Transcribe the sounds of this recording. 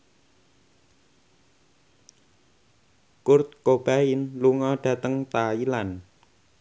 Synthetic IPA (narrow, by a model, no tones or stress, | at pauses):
kʊrt̪̚kob̥a̤ɪnluŋɔɖ̥ä̤t̪əŋt̪ailan